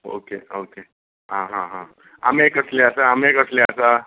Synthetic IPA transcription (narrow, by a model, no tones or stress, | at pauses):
o̰keoke | ɦãɦãɦã | a̰mekəsleasaamekəsleəsa